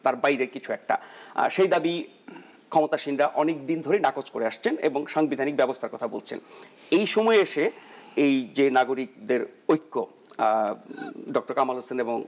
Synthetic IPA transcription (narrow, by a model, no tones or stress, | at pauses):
t̪aɾbajɾeɾkit͡ɕʰuɛk̚ʈa̰ʃejd̪abi | kʰɔmot̪aʃinɾaʔɔnek̚d̪ind̪ʱoɾejnakot͡ɕkoɾeaʃt͡ɕʰenḛboŋʃaŋbid̪ʱanik̚bɛbost̪ʰaɾkɔt̪ʰabolt͡ɕʰḛn | ejʃomɔeeʃeejd͡ʑenaɡoɾik̚d̪eɾojkːo | ɖɔk̚ʈoɾkamaloseneboŋ